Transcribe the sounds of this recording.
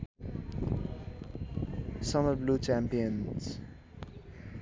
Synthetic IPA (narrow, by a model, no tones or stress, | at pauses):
sʌməbluːt͡ʃæ̃mpiə̃nz̥